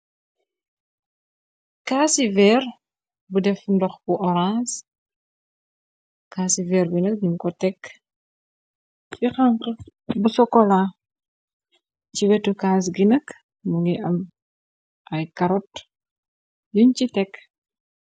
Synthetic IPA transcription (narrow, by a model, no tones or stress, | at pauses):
kaːsivɛr | budɛfndɔxbuʔɔɾãns | kaːsivɛːɾbinək̚ɲuŋkɔtɛkː | fixaŋqɐbusɔkɔla | ciwɛtukaːs̬ɡinɐk | muŋɡiʔɐm | ʔɐjkɐɾɔt | nuɲcitɛkː